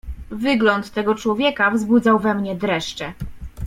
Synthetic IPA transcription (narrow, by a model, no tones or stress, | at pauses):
vɘɡlɔnt̪ːɛɡɔt͡ʂwɔvʲjɛkavzbud̪zawvɛmɲɛd̪ɾɛʂt͡ʂɛ